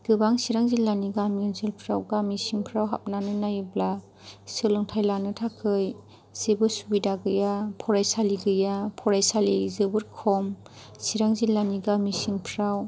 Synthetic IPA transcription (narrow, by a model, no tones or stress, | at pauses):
ɡ̥ɯbaŋsiɾaŋzilːaniɡamiɯnzɯlpʰɾawɡamisiŋpʰɾawɦa̰p̚nanɯnajbla | sɯlɯŋtʰajlanɯtʰakʰɯj | sebɯsubidaɡɯjapʰɔɾajsaliɡɯjapʰɔɾajsalizɯbɯɾkʰɔm | siɾaŋzilːaniɡamisiŋpʰɾaw